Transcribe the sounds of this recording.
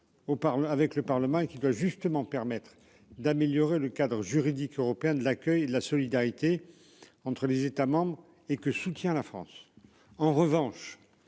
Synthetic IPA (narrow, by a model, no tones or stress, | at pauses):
opaʁəavɛkləpaʁləmɑ̃ekʲid̪waʒyst̪əmɑ̃pɛʁmɛt̪χ | d̪ameljɔʁeləkad̪ʁəʒyʁid̪ikøʁɔpeɛ̃d̪əlakʲœjed̪əlasɔlid̪aʁit̪e | ɑ̃t̪χəlezet̪amɑ̃bʁ | ekəsut̪jɛ̃lafχɑ̰̃s | ɑ̃ʁəvɑ̃ʃ